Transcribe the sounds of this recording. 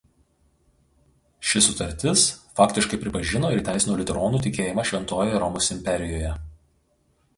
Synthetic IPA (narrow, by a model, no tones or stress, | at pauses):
ʃʲɪsʊt̪ɐɾʲt̪ʲɪsfɑːkt̪ʲɪʃkɐɪpʲɾʲɪpɐʒʲɪnoːɪɾit̪ʲæˑɪsʲɪnuːlʲɪt̪ʲɛɾɔːnuːt̪ʲɪkʲeːjɪmɑʃʲʋʲɛnt̪oːjɛɾɔmoːsɪmʲpʲɛɾʲɪjoːjɛ